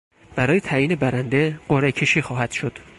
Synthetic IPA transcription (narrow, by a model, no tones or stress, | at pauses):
b̥æɾɒːjet̪ʰæːjiːne̞bæɾænd̪eɢ̥oɾecʰe̞ʃiːxɒːhæd̪̥ʃod̪̥